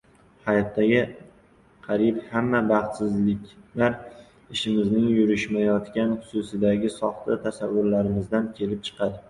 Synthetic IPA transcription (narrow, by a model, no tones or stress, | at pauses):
hajɒt̪ːaɡʲɪ | qʰɑɾɪphamːabɑχt̪sɪzlɪkʲlaɾ | ɪʃɪmɪznɪŋjʊɾɪʃmajɒt̪kʲanχʊ̥sʊsɪd̪aɡʲɪsɒχt̪ʰat̪ʰasavːʊɾlaɾɪmɪzd̪ankʲʰe̞lɪp̚t͡ʃʰɨ̥qʰɑd̪ɪ